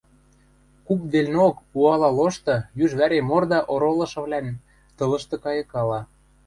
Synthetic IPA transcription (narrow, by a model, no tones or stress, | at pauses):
kupd̪elʲnokuɑlɑloʃt̪ɤ̆jyʒβæɾemord̪ɑʔoɾolɤ̆ʃɤ̆βlæn | t̪ɤ̆lɤ̆ʃt̪ɤ̆kɑjɤ̆kɑlɑ